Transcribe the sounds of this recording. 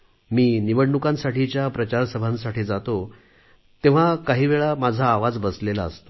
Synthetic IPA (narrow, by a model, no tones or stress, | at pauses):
miːniʋəɽɳukãnsaʈit͡ɕjapɾət͡ɕaɾsəbʱãnsaʈiːd͡zat̪o | t̪ẽʋ̤akaɦiːʋeɭamad͡zʱaːʋad͡zbəslelaəst̪o